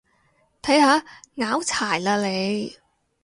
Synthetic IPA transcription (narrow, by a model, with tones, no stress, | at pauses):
t̪ʰɐ˨˥jhaː˨˧˥ŋaː˨˥wt͡sʰaː˨˩jlaː˧le˨˧j